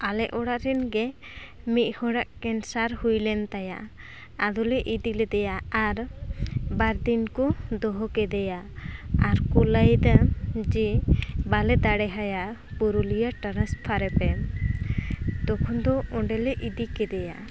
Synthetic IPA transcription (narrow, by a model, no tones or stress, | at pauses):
alɛʔʔɔɽaʔɾɛnɡɛ | mit̪̚ˀhɔɽaʔkɛnsaɾhujlɛnt̪aja̰ʔ | ad̪ulɛʔid̪ilɛd̪ɛjaːɾ | baɾd̪inkɔd̪ɔɦɔkɛd̪ɛjaː | ɾkulajd̪ad͡ʒɛbalɛd̪aɽɛɦajapuɾulijaʈaɾaspʰaɾɛpɛ | d̪ɔkʰɔnd̪ɔʔɔɳɖɛlɛʔid̪ikɛd̪ɛja̰